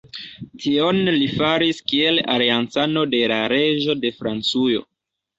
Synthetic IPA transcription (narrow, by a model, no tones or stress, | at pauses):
tʰio̞nlifaɾiskie̞la̰liant͡sano̞de̞laɾe̞ʒo̞de̞fɾant͡sujo̞̰